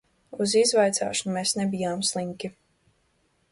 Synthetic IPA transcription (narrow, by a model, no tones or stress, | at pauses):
uzizvajt̪sa̰ːʃɔnumeːsnebijaːmslˠiŋkʲi